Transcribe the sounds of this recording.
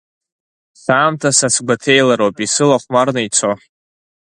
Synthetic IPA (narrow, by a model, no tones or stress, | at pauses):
saːmtʰasasʰɡʷatʰe̞jlaɾopʼisɨlaχʷmarnɨjt͡sʷʰo